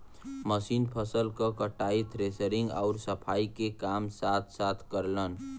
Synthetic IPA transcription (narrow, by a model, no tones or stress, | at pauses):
məsinpʰəsəlkəkəʈait̪ʰɾesəɾĩŋɡa̰ʊɾsəpʰaikekamsat̪ʰsat̪ʰkəɾlən